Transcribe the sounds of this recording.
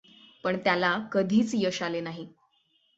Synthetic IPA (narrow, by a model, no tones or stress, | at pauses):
pəɳt̪jalakəd̪ʱiːt͡sjəɕalenaɦi